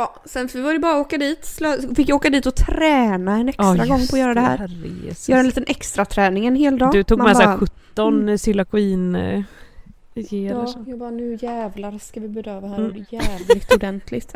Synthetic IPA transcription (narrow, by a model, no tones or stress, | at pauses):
jɑː | sɛnfvɪvaɾjəbɑːɾaoːkad̪iːt̪slɑfɪkjaoːkad̪iːt̪ɔt̪ʰɾɛːnaɛnɛkstɾaɡɔŋːpʰɔjœːɾad̪ɛhæ̰ːɾɾ̰ḛːsjœːɾaniːt̪ənʔɛkst̪ɾat̪ʰɾɛːnɪŋɛnɦeːld̪ɑːɡd̪ɵt̪ʰuːmamɛsbaɧɵt̪ːɔnsɪlakʊiːn | ɡeːɛɔjɑːɡbɑːnʉ̟jæːvlaɾskavɪbɛd̪øːvahæːɾjuɖɛjæːvlɪɡt̪ʊd̪ɛnt̪ʰlɪt̪